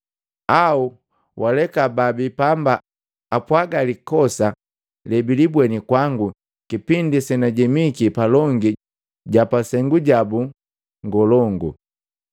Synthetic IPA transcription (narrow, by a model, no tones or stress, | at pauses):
au | wʔalɛkababipamba | apwaɡalikɔsa | lɛbilibwɛnikwaŋɡu | kipindisɛnaɟɛmikipalɔŋɡi | ɟapasɛŋɡuɟabu | ŋɡɔlɔŋɡu